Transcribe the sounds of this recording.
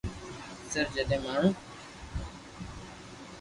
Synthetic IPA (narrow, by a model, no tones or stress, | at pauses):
səɾd͡ʒəɗẽːmaːɳ̤ũː